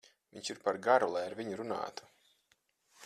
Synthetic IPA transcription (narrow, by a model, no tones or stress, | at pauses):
vʲiɲʃiɾpaɾɡaɾulˠajaɾviɲuɾuna̰ːt̪u̥